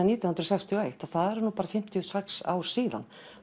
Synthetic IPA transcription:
niːt̪janhʏnɾɔsɛjkst̪ʰɪɔejht̪aðθaðɛɾnuːpaːɾafɪm̥t̪ʰjʏsɛksa̰ːwɾ̥siːða̰n

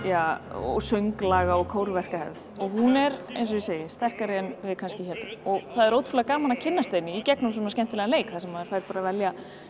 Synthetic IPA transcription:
jaːɔ̰sœɥŋklaːɣaɔɣkʰowɾvɛr̥kahɛ̰vðɔɣɦunɛɾḛjnsɔiseːjɪst̪ɛr̥kaɾɪɛnvɪðkʰanscɪçɛlt̪ɔɣθaðɛɾowt̪fulakaːmanacʰɪnːast̪eːnɪicɛknʏms̬ɛmaðscɛn̥t̪ɪlɛɣaleːjkθaðsɛmaðɪɾ̥fajɾ̥paːɾavɛlja

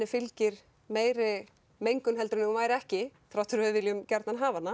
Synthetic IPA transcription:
ɪfɪlcɪɾ̥ | meːjɾɪ | mejŋkʏnɦɛlt̪ɾʏnɪumaːjɾɪɛhcɪfɾawht̪ʰʏɾvœðvɪljʏmcaɾt̪nanɦaːvanːa

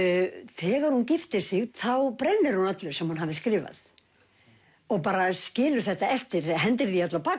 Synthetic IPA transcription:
θɛːɣaɾ̥huncɪft̪ɪ̥sɪɣθawpɾɛnːɪɾhunat̪lʏɾ̥sɛmhunɦavðɪskɾɪːva̰θ | ɔɣpaːɾascɪːlʏθɛht̪ːaɛft̪ɪɾɦɛnt̪ɪɾðiat̪lapʰa

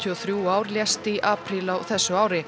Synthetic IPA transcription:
t̪ʰiɔθɾjuaːwɾljɛst̪iʔaːpʰɾilawθɛsːʏaːwɾɪ

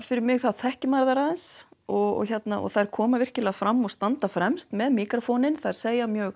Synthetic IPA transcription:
fɪɾɪɾmɪɣθaðθɛhcɪmaɾðaɾaðɛnsɔɣɔ̰ɣçɛt̪naɔ̰ɣθaðɛɾ̥kʰɔːmavɪr̥cɪlɛːɣafɾamːɔɣst̪ant̪afɾɛmst̪mɛðmiːkɾafɔnɪnθaðɛɾ̥seːjamjœːɣ

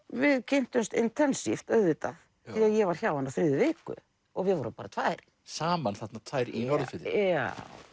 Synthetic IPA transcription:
vɪðcʰen̥t̪ʏmst̪ɪnt̪ʰɛnsift̪œðvɪt̪aθ | θθiaðjɛvaɾ̥ç̥awvanafɾɪːðʏvɪːkʏ̰ | ɔɣvɪðvɔɾʏmpaːɾat̪ʰvajɾ̥ | saːmanθɛt̪nat̪ʰvaːjɾinɔɾðɪt̪la

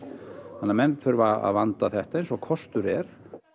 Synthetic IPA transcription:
hanːamɛnt̪fʏɾʏvaa̰ðvant̪aθɛht̪aejnsɔɣkʰɔst̪ʏɾɛɾ̥

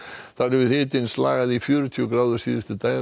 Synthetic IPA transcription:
θaɾɛvɪ̥hɪːt̪ɪnsla̰ːɣaðifjœːɾʏt̪ʰyːkɾaːwðʏɾ̥siːðɪft̪ɪt̪aːj

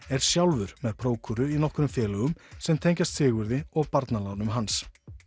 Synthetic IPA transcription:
ɛɾ̥sjawlvʏɾ̥mɛðpʰɾoːwkʰʏɾʏinɔhkɾʏmfjɛːlœɣʏmsɛmt̪ʰejɲcast̪θɪːɣvʏɾðɪɔɣpaɾt̪nalawnʏmɦans

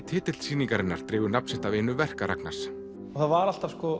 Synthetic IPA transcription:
t̪ʰɪːt̪ɪlsiːniŋkaɾɪnːaɾ̥t̪ɾɪːɣvʏɾnap̚n̥sɪht̪avejnʏvɛr̥kaɾa̰kna̰s | ɔθaðvaɾal̥t̪avskɔ

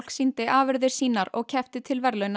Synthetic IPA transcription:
l̥ksint̪ɪʔaːvɪɾðɪɾ̥siːnaɾɔɣcʰɛft̪ɪt̪ʰɪlvɛɾlœːɥn

